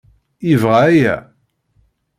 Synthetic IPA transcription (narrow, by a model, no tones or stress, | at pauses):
ivʁaæjæ̰